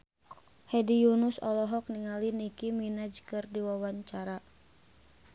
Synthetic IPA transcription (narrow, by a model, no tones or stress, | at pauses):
hɛdijunusɔlɔɦɔk̚niŋalinikiminad͡ʒkɨrdiwawaɲt͡ʃaɾa